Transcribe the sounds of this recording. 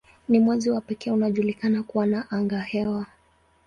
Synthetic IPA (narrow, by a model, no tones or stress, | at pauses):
nimwɛziwapɛkɛunaʄulikanakuwanaʔaŋɡahɛwa